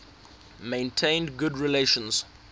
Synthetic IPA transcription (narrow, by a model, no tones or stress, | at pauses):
mẽɪ̃ntʰẽɪ̃ndɡʊdɹileʃə̃ns